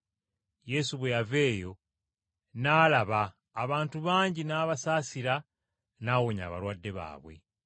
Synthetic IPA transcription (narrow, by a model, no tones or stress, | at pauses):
je̞suβwe̞jave̞ːjo̞ | naːlaβaː | βaːntuβaːɲɟinaːβasaːsiɾa | naːwoɲa̰ːβa̰lwaːdːe̞βa̰ːβwe̞̰